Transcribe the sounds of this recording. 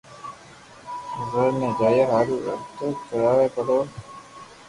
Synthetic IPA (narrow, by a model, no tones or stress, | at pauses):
zəɾneːd͡ʒaːjeɦaːɾuːə̰ɾt̪oːkəɾaːʋeːpəɽoː